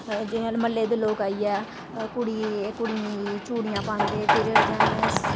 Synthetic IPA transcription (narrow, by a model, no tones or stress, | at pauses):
d͡ʒɪːnaːlməlːeːd̪eːloːkaːiːɛː | kʊɽiːekʊɽĩit͡ʃuːɽijãːpãːnd̪eːp̪ʰɪɾəd͡ʒanɪs